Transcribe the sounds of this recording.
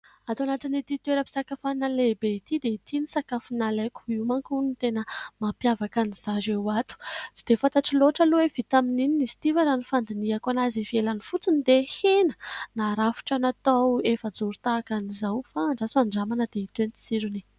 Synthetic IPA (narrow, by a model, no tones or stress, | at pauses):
at̪uanat̪init̪it̪weɾəpi̥sakafanalebeit̪id̪eit̪inisakafinalajku̥iwmaŋkunit̪enəmapjavakaniz̥azewat̪u̥t͡sid̪̥efat̪aʈ͡ʂiloʈ͡ʂəluwev̥it̪aminininisi̥t̪ivaɾanifand̪iniakanazivielanifut͡sinid̪ehenə̥naɾafu̥ʈ͡ʂanat̪awefəd͡zuɾut̪aːkanizawfaːɳɖ͡ʐasiaɳɖ͡ʐamanəd̪eit̪enit͡s̪i̥siɾuni